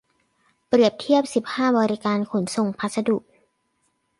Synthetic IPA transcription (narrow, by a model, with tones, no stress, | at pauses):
pɾi˨˩əp̚t̪ʰi˥˩əp̚si˨˩p̚haː˥˩bɔː˧ɾi˦˥kaː˧nkʰo˩˦nso˨˩ŋpʰa˦˥t̪̚sa˧du˨˩k̚